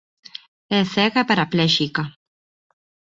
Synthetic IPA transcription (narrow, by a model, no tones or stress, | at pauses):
eseɣapaɾapleʃika